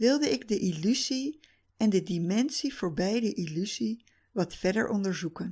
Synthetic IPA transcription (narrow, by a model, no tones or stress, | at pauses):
ʋɪlˠdəɪɡdəʔilyzi | ɛndədimɛnsivʊːɹbɛjdəʔilyzi | ʋɑtfɛɹdə̰ɹʔɔndəɹzukən